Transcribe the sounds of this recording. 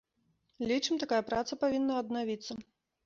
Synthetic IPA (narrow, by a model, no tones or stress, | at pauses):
lʲit͡ʂɨmt̪akajɐpɾat̪sɐpavʲinːɐɐd̪navʲit̪sːɐ